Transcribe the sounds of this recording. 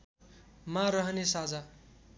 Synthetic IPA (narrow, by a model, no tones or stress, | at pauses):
maɾʌɦʌnesad͡za